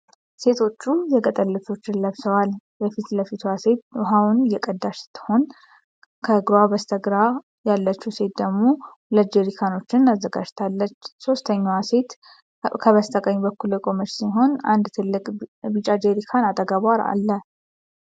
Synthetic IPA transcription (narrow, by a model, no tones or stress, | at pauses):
se̞t̪ʰo̞t͡ʃːujɛkʼət̪ʼəlːət̪ʰo̞t͡ʃːɪnləβsəwalbəfit̪ləfit̪ʰuase̞t̪ɦawunjɛkʼəd̪ːaʃsɨ̥t̪ʰːə̥ho̞n | kʰəɡɾabəst̪ʰəɡɾa | jalːət͡ʃːuse̞t̪̚d̪əɡmo̞ | ləd͡ʒeɾikʰano̞t͡ʃːɪnazːəɡad͡ʒt̪ʰalːət͡ʃːso̞st̪ʰəɲːawase̞t̪ | kʰəβəst̪ʰəkʼəɲːbəkːuljɛkʰʼo̞məɾsiɦo̞na̰nd̪t̪ʰɨlːɨkʼbit͡ʃʼad͡ʒeɾikʰanat̪ʼəɡaβaɾa̰lːə